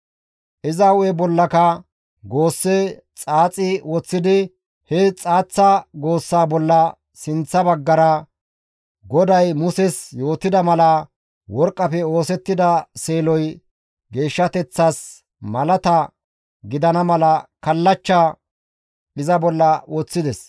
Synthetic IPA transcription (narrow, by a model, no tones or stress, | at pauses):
ʔɪzɐwɛbɔlːɐkɐ | ɡo̞ːsːet͡sʼaːt͡sʼɪwɔt͡sːɪd̪ɪ | hɛt͡sʼaːt͡sːɐɡo̞ːsːaːbɔlːɐ | sɪnt͡sːɐbɐɡːɐɾɐ | ɡɔd̪ɐjmʊsɛsjo̞ːt̪ɪd̪ɐmɐlɐ | wɔɾkʼːɐpɛo̞ːsɛt̪ːɪd̪ɐseːlɔj | ɡe̞ːʃːɐt̪ɛt͡sːaːs | mɐlɐt̪ɐ | ɡɪd̪ɐnɐmɐlɐkɐlːɐt͡ʃːaː | ɪzɐbɔlːɐwɔt͡sːɪd̪ɛs